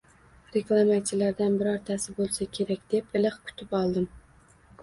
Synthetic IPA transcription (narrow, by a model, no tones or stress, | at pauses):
ɾeklˠɑmat͡ʃʰɪlaɾd̪anbɪɾɒɾt̪ʰasɪbolˠsakʲʰeɾakʲd̪̥epɪlˠɨχkʲʰʊ̥t̪ʰɪpɑlˠd̪ɪm